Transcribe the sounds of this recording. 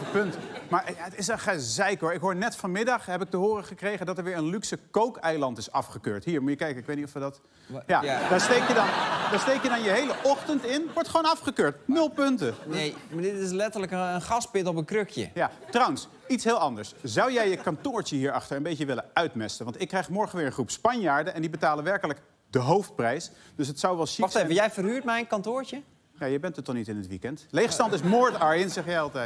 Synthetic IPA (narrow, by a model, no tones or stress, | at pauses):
pɵntmaːɹjaətɪsəχazɛjkɦoːɹɪkɦoːɹnɛtfɑnmɪdɑχɦɛpɪk̚təɦoːrəχəkrejχəndɔtəɹʋɪːɹənlyksəkowkɛjlɑntɪsɑfχəkøːɹtɦiːɹmujəkɛjkənɪkʋejtnitɔfʋədɔt | jadaːɹstejkjədɑndaːɹstejkjədɑnjəɦejləʔɔχtəntɪnʋɔɹtχʋoːnɑfχəkøːɹtnɵlˠpɵntəmadɪtɪslɛtələkənχɑspɪtɔpənkrøkjə̰jatrɑwəns | itsɦɪːlˠɑndəɹszɑwjɛjjəkɑntʊːɹt͡ʃəɦiːɹɑχtəɹənbejkəʋɪlənœɥtmɛstənʋɑntɪkːrɛjχmɔɹχənʋɪːɹə̃nχrupspɑnjaːɹdəʔɛndibətaːlənʋɛɹkələk | dəɦowft̚prɛjs | d̥øs̬ətsawʋɛlˠʃiχevəjɛjfərɦyːɹtmɛjnkɑntʊːɹt͡ʃə | jaːjɛjbɛntətːɔχnitɪnɦətʋḭkɛntlejχstɑntɪsmoːɹtɑɹɪnzɛχjɛjɑlˠtɛjt